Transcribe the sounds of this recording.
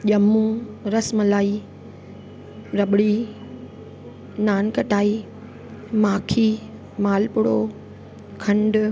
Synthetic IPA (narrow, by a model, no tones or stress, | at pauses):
ʄɐmũɾɐsmlaːi | ɾɐɓɽi | naːnkɐʈaːi | maːkʰi | maːlpʊɽo | kʰɐ̃ɳɖ